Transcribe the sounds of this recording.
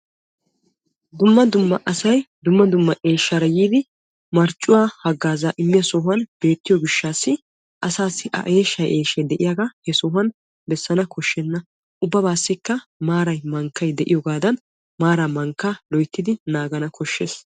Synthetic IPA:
d̪ʊmːɐd̪ʊmːɐʔɐsɐjd̪ʊmːɐd̪ʊmːɐʔe̞ːʃːɐɾɐjiːd̪ɪ | mɐɾt͡ʃʼːʊwaːhɐɡːaːzaːʔɪmːɪjɐsɔɦɐnb̥e̞ːt̪ːɪjɔɡɪʃːaːsːɪ | ʔɐsaːsːɪʔɐ̰ʔe̞ːʃːɐjʔeːʃːɛd̪ɛʔɪjaɡahɛsɔɦɐn | bɛsːɐnɐkʰɔʃːɛnːɐ | ʔʊbːɐbaːsːɪkːɐmaːɾɐjmɐŋkːɐjd̪ɛʔɪjɔɡaːd̪ɐn | maːɾaːmɐŋkːalɔjt̪ːɪd̪ɪnaːɡɐnɐkʰɔʃːeːs

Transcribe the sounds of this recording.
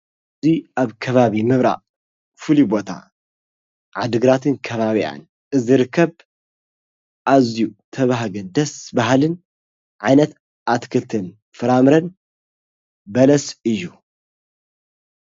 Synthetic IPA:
ʔɨziʔaβkʰɐβaβimɨβɾa̰ʔ | fɨlibo̞t̪ʰa̰ | ʕad̪ɨɡɾat̪ʰɨnkʰɐβaβia̰n | ʔɨziɾɨkʰːɐβ | ʔazjut̪ʰɐβaɦɡɐd̪ɐsbaɦlɨn | ʕajnɐt̪ | ʔat̪kʰɨlt̪ʰɨn | fɨɾamɾɐn | bɐlɐsɨjːu

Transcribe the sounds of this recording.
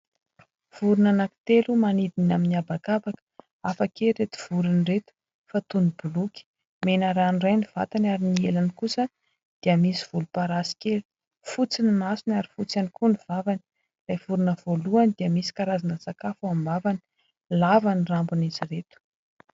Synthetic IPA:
v̥uɾunanaki̥t̪elumanid̪inaminiabakabakə̥ | afakeɾet̪i̥v̥uɾiniret̪u̥ | fat̪unibulukʲi̥ | menaɾanrajniv̥a̰t̪anaɾinielanikusə | d̪̥iəmisiv̥ulupaɾasi̥kelu̥ | fut͡sinimasinaɾifut͡sanikuniv̥avani̥ | lajv̥uɾunəv̥oluand̪iəmisi̥kaɾazanəsakafuambavani̥ | lavanirambuniziret̪u̥

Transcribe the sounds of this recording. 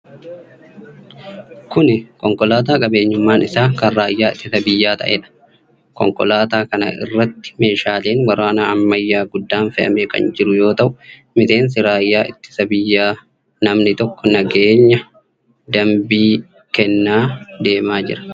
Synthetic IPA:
kʊnɪkɔŋkɔlaːt̪̬aːkʼɐbe̞ːɲːʊmːaːnɪsaːkɐnraːjːaːɪt̪ːɪsɐbɪjːaːt̪ɐ̰ʔḛːᶑɐ̥ | kɔ̰ŋkɔ̰laːt̪aːkɐnɐ̰ʔɪ̰rːɐt̪ːɪ̥me̞ːʃaːle̞ːnwɐɾaːnaɐmːɐjːaːɡʊd̪ːaːnfɛʔɐ̰meːkɐ̰nd͡ʒɪɾʊjo̞ːt̪ɐʔʊ | mɪse̞ːns̬ɪɾaːjːaːʔɪt̪ːɪ̥sɐbɪjːaː | nɐmnɪt̪ɔkːɔnɐɡeːɲːɐ | d̪ɐmbiː | kɛnːaːd̪e̞ːmaːd͡ʒɪ̰ɾɐ̥

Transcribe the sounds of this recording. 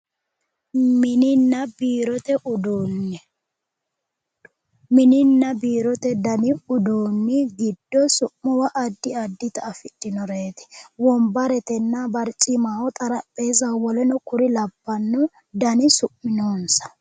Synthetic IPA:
mɪnɪnːɐbiːɾɔt̪ɛʔʊd̪oːnːɛ | mɪnɪnːɐbiːɾɔt̪ɛd̪ɐnɪʊd̪oːnːɪɡɪd̪ːɔsʊʔːʊwɐʔːd̪ːɪɐd̪ːɪt̪ɐːfɪd̪ːɪnɔɾeːt̪ɛ̥wɔmbɐɾɛt̪ɛnːɐbɐɾt͡ʃʼːɪmaːwɔt̪ʼɐɾɐpʼːe̞ːzɐwɔlɛnɔkʊɾɪlɐbːɐnːɔ | d̪ɐnɪsʊʔmɪnoːnsɐ̥

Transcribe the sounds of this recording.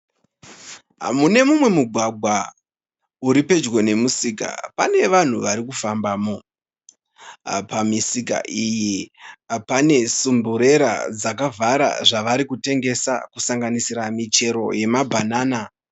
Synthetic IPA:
ɦa̰mune̞mumwe̞muɡʱwaɡʱwa | uɾipe̞d͡ʒwo̞ne̞musika̰pa̰ne̞ʋan̤uʋaɾikufambaːmo̞ | pamisika̰ʔiji | pane̞sumbuɾe̞ɾa̰d͡zakavʱaɾa̰ʐaʋaɾikute̞ŋɡe̞sa̰kusaŋɡanisiɾamit͡ʃe̞ɾo̞̰je̞mabʱanaːna

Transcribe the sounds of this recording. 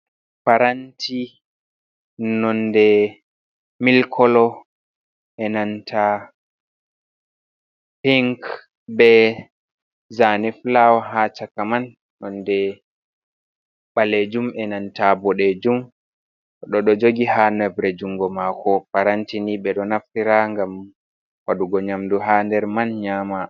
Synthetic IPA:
paɾantʰi | nɔndɛ | milkʰɔlɔ | ʔɛnantʰa | piŋk | bɛ | zanɛflawɦat͡ʃakaman | ɗɔndɛ | ɓaled͡ʒumɛnantabɔɗed͡ʒum | ɗɔɗɔd͡ʒoɡihanɛbɾɛd͡ʒuŋɡɔmakɔpaɾantiniɓɛɗɔnaftiɾaŋɡam | waɗuɡɔɲamduɦandɛɾmanɲama

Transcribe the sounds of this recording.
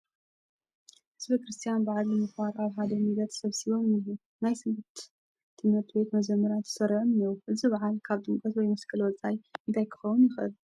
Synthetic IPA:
hɨzbɐkɾɨst̪ʰijanbɨʕalːɨmɨxβaɾaβħad̪ɐmilɐt̪sɐβsiβo̞mɨju | najsɨmbɨt̪ | t̪ʰːɨmhɨɾt̪ʰibe̞t̪mɐd͡ʒɐmːɐɾat̪ʰɨ̥sɐɾʕɨnjowʔɨzɨβaʕalkʰaβt̪ɨmkʼɐt̪wɔjmɐskʼɨlwɔt͡sʼajɨnt̪ʰajkʰɨ̥xɐwʊnjɪxʔɨl

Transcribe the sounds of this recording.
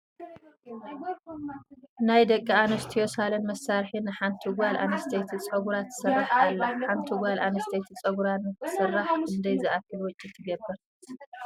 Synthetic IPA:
najd̪ɐkʼːianɐst̪ʰijosalɐnmɐsaɾħinːɨħant̪ʰiɡʷalʔa̰nɐst̪ʰejt̪ʰit͡sʼɐɡuɾat̪ːɨ̥sɨrːaħalːaħant̪ʰiɡʷalʔanɐst̪ʰejt̪ʰit͡sʼɐɡuɾanɨt̪ʰːɨ̥sɨrːaħʔɨnd̪ɐjzɨʔakːɨlwɔt͡ʃʼːit̪ʰɨɡɐbːɨɾ

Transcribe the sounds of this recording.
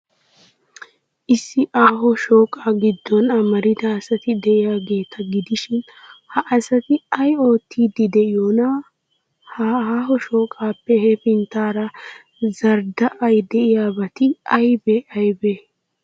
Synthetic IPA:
ʔɪsːɪʔaːɦɔʃo̞ːkʼaːɡɪd̪ːɔnɐmɐɾɪd̪ɐɐsɐt̪ɪd̪ɛʔɪjaːɡe̞ːt̪ʰɐɡɪd̪ɪʃɪn | hɐʔɐsɐt̪ɪɐjo̞ːt̪ːiːd̪ɪd̪ɛʔɪjonɐ | haːɦɔʃo̞ːkʼaːpːɛhɛfɪnt̪aːɾɐ | zɐɾd̪ɐʔɐjd̪ɛʔɪjaːbɐt̪ɪɐjbɛʔɐjbɛ

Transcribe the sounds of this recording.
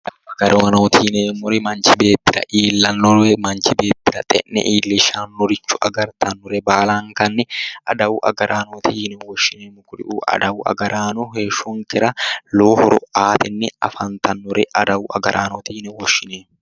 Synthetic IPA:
d̪ɐwɐɡɐɾɛwɐnoːt̪ʰɪneːmːɔɾɪmɐnt͡ʃɪbe̞ːp̪ːɪɾɐ̰ʔiːlːɐnːɔɛmɐnt͡ʃɪbe̞ːp̪ːɪɾɐt̪ʼɛ̰nːɛ̰ʔiːlːɪʃaːnːɔɾɪt͡ʃːʊʔɐɡɐɾt̪ʰɐnːɔɾɛbaːlaːŋkɐnːɛʔɐd̪ɐwʊʔɐ̰ɡɐɾʔaːnoːt̪ɪɪnɛwɔʃːɪneːmʊkʊɾɪ̰ʔuːʔɐ̰d̪ɐwʊɐ̰ɡɐɾaːnɔheːʃɔŋkɪɾɐloːhɔɾʊ̰aːt̪ɪnːɪɐ̰fɐnt̪ʰɐnːɔɾɛʔɐd̪ɐwʊʔɐ̰ɡɐɾʔaːnot̪ɪhɪnɛwɔʃːɪneːm

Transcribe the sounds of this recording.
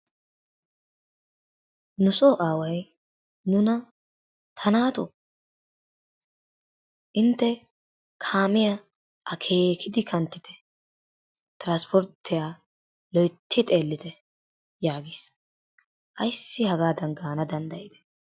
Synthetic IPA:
nʊsoːʔaːwɐj | nʊnɐ | t̪ʰɐnaːt̪o | ʔɪnt̪ːɛ | kʰaːmɪjɐ | ʔɐkʰe̞ːkʰɪd̪ɪkʰɐnt̪ːɪt̪ʰɛ̥ | t̪ɾaːnspʰɔɾt̪ʰːɪjaː | lɔjt̪ʰːɪt̪ʼe̞ːlːɪt̪ɛ | jaːɡiːs | ʔɐjsːɪhɐɡaːd̪ɐnɡaːnɐd̪ɐnd̪ɐjɪd̪ɛ̥

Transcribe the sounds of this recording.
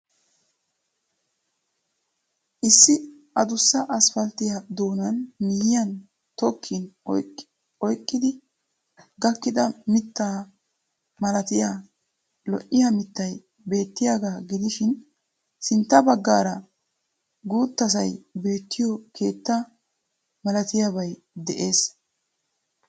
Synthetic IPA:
ʔɪsːɪ | ɐd̪ʊsːɐʔɐsfɐlt̪ɪjɐd̪o̞ːnɐnmɪjɪjɐn | t̪ɔkʰːɪn | ɔjkʼːɪd̪ɪ | ɡɐkːɪd̪ɐmɪt̪ːaː | mɐlɐt̪ɪjaː | lɔ̰ʔɪjɐmɪt̪ːɐj | be̞ːt̪ːɪjaɡaːɡɪd̪ɪʃɪn | sɪnt̪ːɐbɐɡːaːɾɐ | ɡuːt̪ːɐs̬ɐjbe̞ːt̪ːɪjɔkʰe̞ːt̪ːɐ | mɐlɐt̪ɪjabɐj | d̪ɛʔe̞ːs

